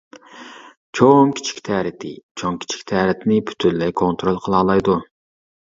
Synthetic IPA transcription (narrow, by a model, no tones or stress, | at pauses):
t͡ʃʰoŋkʲi̥t͡ʃʰi̥kʲt̪ʰɛːɾɪt̪ʰɪ̰t͡ʃʰoŋkʲʰi̥t͡ʃʰi̥kʲt̪ʰɛːɾɪt̪ʰɪnɪpʰy̥t̪ʰynlːɛkʰont̪ɾolˠqʰəlˠɑːlˠɑjd̪u